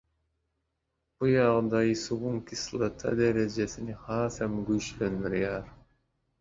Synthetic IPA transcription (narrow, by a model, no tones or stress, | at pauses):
bujɑʁd̪ɑisuwuŋkislˠɑt̪ʰɑ̰d̪eɾed͡ʒesinihɑːsemɡyʃlønd̪yɾjɑɾ